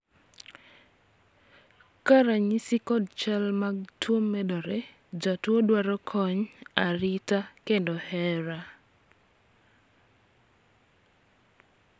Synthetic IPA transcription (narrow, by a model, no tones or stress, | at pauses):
kaɾaɲisikɔdt͡ʃɛlmaɡ̚twomːɛdɔɾɛ | d͡ʒatwodwaɾɔkʰɔɲaɾitakendɔhɛɾa